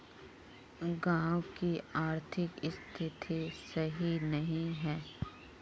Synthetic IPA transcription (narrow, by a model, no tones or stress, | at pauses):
ɡãːwkiaːɾt̪ʰɪkɪst̪ʰɪt̪ʰisɐɦinɐɦĩɦɛː